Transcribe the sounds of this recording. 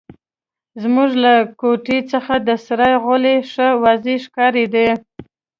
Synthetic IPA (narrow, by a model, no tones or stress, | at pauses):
zmuʒlakoʈit͡səxad̪əsɾɑjɣʊleʂəwɑzeʃkɑɾed̪e